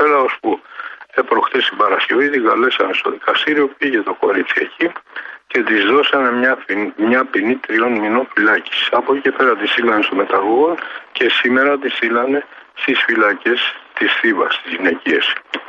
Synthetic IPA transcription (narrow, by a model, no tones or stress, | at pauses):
peɾɐo̞spue̞pɾo̞xt̪est̪ibɐɾɐsce̞vit̪iɡɐle̞sɐne̞st̪o̞̰ðikɐst̪iɾio̞piʝe̞t̪o̞ko̞ɾit̪sie̞̰cice̞t̪izðo̞sɐne̞ɲɐmɲɐpinit̪ɾio̞nmino̞nfilɐci̥sɐpo̞cice̞pe̞ɾɐt̪isθilɐne̞st̪o̞me̞t̪ɐɣo̞ɣo̞nce̞sime̞ɾɐt̪̬isθilɐne̞st̪isfilɐce̞st̪isθivɐ̰st̪izʝine̞cie̞s